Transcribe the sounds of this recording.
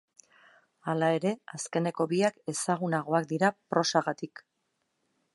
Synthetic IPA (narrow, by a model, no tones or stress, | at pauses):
alae̞ɾe̞aske̞ne̞ko̞βiake̞saɣ̞unaɣ̞o̞ak̚d̪iɾapɾo̞saɣat̪ik